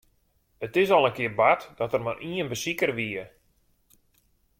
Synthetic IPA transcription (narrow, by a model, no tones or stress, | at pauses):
ətɪsɔlˠənkɪərbatd̥ɔtərmarʔiənbəsikərʋiə